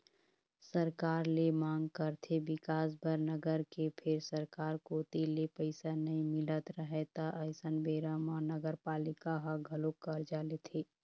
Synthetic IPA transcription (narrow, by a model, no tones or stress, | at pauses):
səɾkaːɾlemãːŋɡkəɾt̪ʰebɪkaːs̬bʱəɾnəɡəɾkepʰɪɾsəɾkaːɾkoːt̪ilepəɪsanɐɦĩmɪlət̪ɾəɦet̪aʔəɪsənbeːɾamanəɡəɾpaːlɪkaɦəɡʱəlokːəɾd͡ʒaːlet̪ʰeː